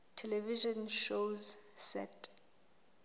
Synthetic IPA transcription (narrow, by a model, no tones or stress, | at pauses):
tʰɛlɛviʒɔ̃nʃozsɛ̰tʰʼ